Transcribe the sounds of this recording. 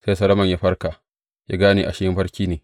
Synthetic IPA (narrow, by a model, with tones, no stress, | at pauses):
se˦sɐ˦lɐ˦mɐ˨ɲjaː˦ɸɐ˦rkaː˨ | ja̰ː˦ɡaː˦niː˨ʔa˨ʃɪ˦hɪ˦mɸɐ˦ɾkʲiː˦neː˨